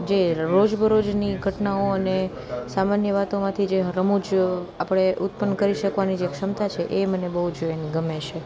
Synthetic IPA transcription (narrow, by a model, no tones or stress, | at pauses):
d͡ʒeɾod͡ʒbʱəɾod͡ʒniɡʱəʈnaoəne | samanjəʋat̪omãt̪ʰid͡ʒeɦɾəmud͡ʒapɽ̃eʔʊt̪̚pənkəɾiʃəkʋanid͡ʒekʃəmt̪at͡ʃʰeʔemənebəɦud͡ʒojniɡəmeʃe